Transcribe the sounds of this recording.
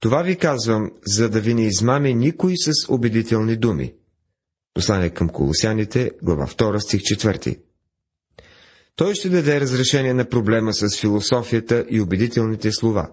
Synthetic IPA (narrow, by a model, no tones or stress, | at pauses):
t̪ovavikazvəmzɐd̪ɐvinɛizmaminikojsɐsobɛd̪it̪ɛlˠnid̪umḭ | poslˠanɛkɐmko̰lˠo̰sjanit̪ɛɡlˠɐ̰va̰ft̪ɔɾəst̪ixt͡ʃɛt̪vɤɾt̪ḭ | t̪ɔjʃt̪ɛd̪ɐd̪ɛɾəzɾɛʃɛniɛnɐpɾoblɛməsɐsfilˠosɔfijət̪əʔiobɛd̪it̪ɛlˠnit̪ɛslˠova̰